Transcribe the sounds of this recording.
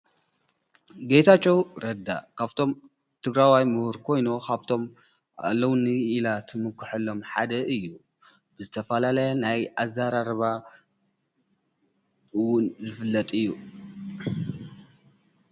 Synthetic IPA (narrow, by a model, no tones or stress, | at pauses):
ɡejt̪ʰat͡ʃʼːɛwɾɐd̪ːa̰kʰaβt̪ʰo̞m | t̪ʰɨɡɾawajmuhuɾkʰo̞jnukʰaβt̪ʰo̞m | a̰lːɐwnɨilat̪ʰɨmɨkʰːɨħɐlːo̞mħa̰d̪ɐʔɨjːu | b̥ɨzɨt̪ʰɐfɐlalɐjnajʔazaɾaɾɐβa | wʊnzɨfɨlːɐt̪ʼɨjːu